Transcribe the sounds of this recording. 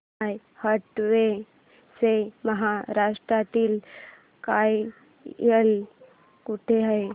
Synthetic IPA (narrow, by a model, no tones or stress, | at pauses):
j | həʈʋe | seməɦaɾaʂʈ̪ɾat̪iːl | kaj | əl | kuʈʰeɦəe